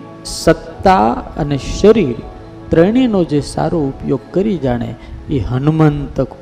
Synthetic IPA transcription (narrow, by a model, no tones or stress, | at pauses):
sət̪ːaə̰neʃəɾiɾ | t̪ɾəɽ̃inod͡ʒesa̰ɾoupjoɡ̚kəɾid͡ʒaɽ̃ḛiɦənumənt̪ək